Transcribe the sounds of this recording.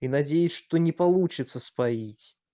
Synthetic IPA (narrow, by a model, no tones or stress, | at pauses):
inad͡zʲejɪsʲʂt̪ɔnʲɪpalˠut͡ʃɪt̪sːəspait͡sʲ